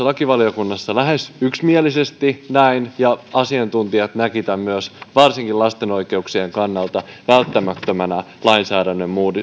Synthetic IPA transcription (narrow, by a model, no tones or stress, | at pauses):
lɑkiʋɑlijokunːɑsːɑlæɦe̞syksmielisest̪inæinjɑɑsiɑnt̪unt̪iɑt̪nækit̪æmmyøsʋɑrsiŋkilɑst̪e̞no̞ike̞uksieŋkɑnːɑlt̪ɑʋælt̪ːæmæt̪ːømænæ | lɑinsæːdænːømmuːdi